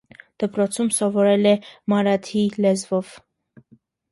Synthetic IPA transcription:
d̪̥əpɾɔt͡sʰumsɔvɔɾɛlɛmɑɾɑt̪ʰilɛzvɔv

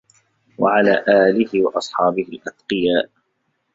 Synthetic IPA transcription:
waʕalaːʔaːlɪhɪwɑʔɑsˤħɑːbɪhɪlʔad̪qɨjaːʔ

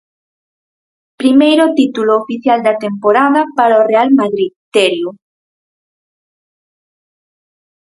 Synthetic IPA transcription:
pɾimejɾot̪it̪uloːfiθjald̪at̪empoɾaðɐpaɾaorealmaðɾiðt̪eɾju

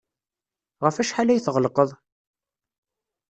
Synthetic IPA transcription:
ʁəfæʃħalæjθʁəlqəðˤ

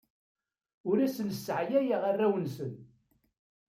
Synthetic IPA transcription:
ʊɾæsənsːəʕjæjəʁarːæwənsən

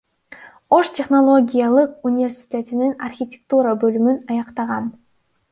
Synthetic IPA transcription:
o̞ʃtʲe̞χno̞lˠo̞ɡʲijalˠɯqunʲɪvʲerʲsʲi̥tʲe̞t̪ininɐrxʲitʲɪk̚t̪uɾabølymynɑjɑqt̪ɑʁɑn

